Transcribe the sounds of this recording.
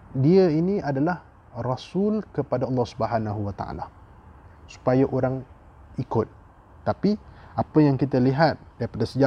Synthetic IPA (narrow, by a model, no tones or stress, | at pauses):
diəiniadalah | rasʊlkəpadaɑlːɑhsubəɦanaɦuwat̪a̰ʔa̰la̰ | su̥pajaʔoɾaŋ | ikʊt̪̚ː | apiapəjaŋkit̪aliɦat̪̚daɾipadasəd͡ʒa